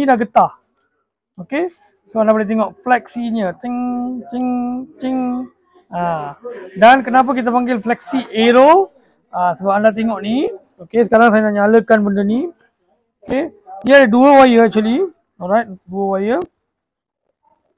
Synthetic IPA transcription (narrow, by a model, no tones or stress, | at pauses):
nidaɡət̪ah | oke | soãndapalat̪̬eŋɔʔflɛksiɲət͡ʃiŋt͡ʃiŋt͡ʃiŋ | a | dankənap̬ak̬it̪̬apaŋɡɪlflɛksiʔeɾo | asəbap̚andat̪̬eŋɔʔni | okesə̥kaɾaŋsajanaʔɲaləkanbəndəni | okeijədəduəwajəɛk̚t͡ʃuəli | ɔlɹajt̚duəwajə